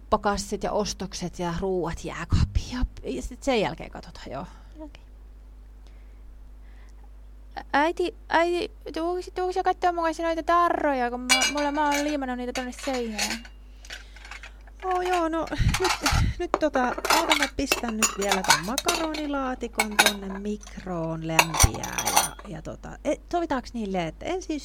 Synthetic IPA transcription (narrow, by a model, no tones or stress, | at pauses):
pːɑkɑsːit̪jɑ̰ʔost̪okset̪jɑruːʋɑt̪jæ̰ːkɑ̥pːi̥jɑpjɑsit̪sejjæ̰lkḛːŋkɑ̰t̪o̥t̪ɑ̥jo̰̥ | æit̪i | ʔæit̪it̪uksit̪ːuhksijɑkɑt̪ːoːmukɑsʲɑnoit̪ɑt̪ɑrːojɑkummɑmulːɑmɑːolliːmɑnːuniːt̪æt̪onːesseinæː | oːjoːnonyt̪nyt̪t̪ot̪ɑʔɑut̪ɑŋːɑpist̪ænnyt̪ʋiælæt̪ommɑkɑroːnilɑːt̪ikont̪onːemmikroːnlæmpḭæ̰ːjɑ̰jɑ̰t̪o̰t̪ɑ̰et̪oʋit̪ɑksniːlːeet̪ːæensins